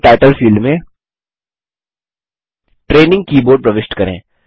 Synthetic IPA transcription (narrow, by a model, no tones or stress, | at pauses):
ʈaːɪʈəlfiːlɖmẽ | ʈɾeːnɪ̃ŋɡ̚kiːboːɾɖ̚pɾɐʋɪʃʈkɐɾḛ̃ː